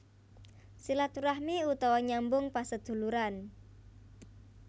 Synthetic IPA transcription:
silat̪uɾahmiut̪ɔwɔɲambʊŋpasəd̪̥ṳluɾan

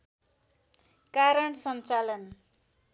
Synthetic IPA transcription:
kaɾʌɳsʌnt͡salʌn

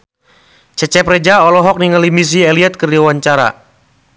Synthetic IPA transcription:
t͡ʃɛt͡ʃɛpɾɛd͡ʒaɔlɔɦɔk̚niŋalimis̬iɛliɛt̪̚kərdiawaɲt͡ʃaɾa̰

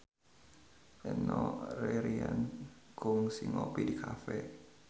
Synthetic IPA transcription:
ʔɛnɔreɾiankʊŋsiŋopidikʰafɛ

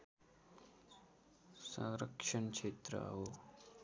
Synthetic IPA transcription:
sə̃ɾəkʂəɳkʂet̪ɾə̰a̰ɦo

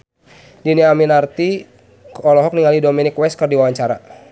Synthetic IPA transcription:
diniaminart̪i | ɔlɔɦɔk̚niŋalidominikwɛs̚kərdiwawaɲt͡ʃaɾa

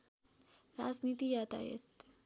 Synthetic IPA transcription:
ɾad͡ʒnit̪ijat̪a̰jḛt̪

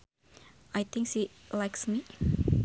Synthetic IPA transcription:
ʔajt̪ʰɪ̃ŋkʃilajksmi

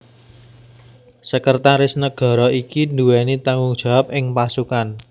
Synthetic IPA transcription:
səkərt̪aɾɪsnəɡ̥ɔ̤ɾɔikinduwɛnit̪aŋɡʊŋd̥ʒ̥a̤wap̚ʔɪŋpasukan

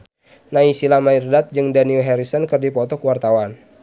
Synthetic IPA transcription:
naisilamairdat̪̚d͡ʒɨŋdaniuɦɛɾisɔnkərdipɔt̪ɔkəwart̪awan

